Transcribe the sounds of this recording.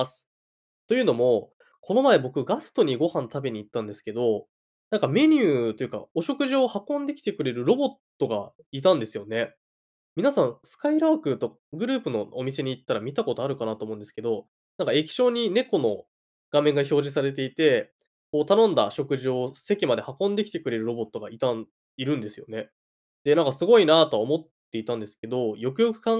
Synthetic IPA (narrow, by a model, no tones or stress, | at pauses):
asɨ̥ | t̪o̞jɯ̟ːno̞mo̞ | kʰo̞no̞mae̞bo̞kɯ̟ɡasɨ̥t̪o̞ɲ̟iɡo̞hãnt̪abe̞ɲ̟iːt̪ːãnd̪e̞sɨ̥ke̞d̪o̞ | nãŋkame̞ɲ̟ʲɯ̟ːt̪o̞jɯ̟ka̰oɕo̞kɯ̟ʑio̞hakːõ̞nd̪e̞kʲi̥t̪e̞k̟ɾe̞ɾɯ̟ɾo̞bo̞t̪ːo̞ɡa̰it̪̬ãnd̪e̞sɨjo̞ne̞ | mʲinasãɰ̃sɨ̥kaiɾaːkɯ̟t̪o̞ | ɡɯ̟ɾɯ̟ːpɯ̟no̞omʲis̬e̞ɲ̟iːt̪ːaɾamʲit̪ako̞t̪o̞aɾɯ̟kanat̪oːmõnd̪ske̞d̪o̞ | nãŋkae̞kʲi̥ɕo̞ːɲ̟ine̞ko̞no̞̰ | ɡ̥amẽ̞ŋɡaço̞ːʑis̬aɾe̞t̪̬e̞it̪e̞ | koːt̪anõ̞nd̪a̰ɕo̞kɯ̟ʑio̥se̞kʲimad̪e̞hakõ̞nd̪e̞kʲi̥t̪e̞kɯ̟ɾe̞ɾɯ̟ɾo̞bo̞t̪ːo̞ɡait̪ãn | iɾɯ̟̃nd̪e̞sɨjo̞̰ne̞ | d̪̥e̞nãŋkasɨɡo̞inat̪o̞omo̞t̪ːe̞it̪ãnd̪e̞sɨ̥ke̞d̪o̞jo̞kɯ̟jo̞kɯ̟̥kã